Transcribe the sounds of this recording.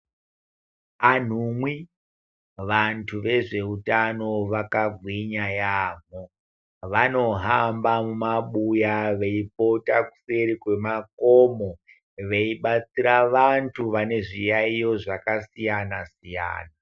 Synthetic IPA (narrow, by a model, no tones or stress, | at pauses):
an̤umwi | ʋantʰuʋe̞ʐe̞utano̞ʋakabwiɲajaːmo | ʋano̞ɦambamumaɓujaʋe̞ipo̞taku̥se̞ɾikwe̞makomo̞ | ʋe̞iɓat͡siɾaʋantʰuʋane̞ʐijaijo̞ʐakasijanasija̰ːna